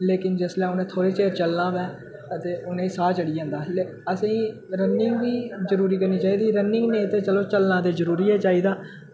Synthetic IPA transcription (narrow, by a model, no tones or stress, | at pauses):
leːkɪnd͡ʒəslɛːʊnẽːt̪ʰoːɾeːt͡ʃeːɾt͡ʃəlnãːʋɛː | ət̪eːʔʊnẽːsaːt͡ʃəɽiːjãːnd̪aːle | əsĩː | ɾənːɪŋɡʋiːzəɾuːɾiːkəɾniːt͡ʃaːiːd̪iːɾənɪŋɡnẽːt̪eːt͡ʃəloːt͡ʃəlnãːd̪eːzəɾuːɾiːɛːt͡ʃaːiːd̪aː